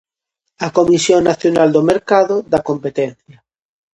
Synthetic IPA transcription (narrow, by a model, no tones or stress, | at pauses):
ɐkomisjoŋnːaθjonald̪omeɾkaðoðakompet̪ɛnθjɐ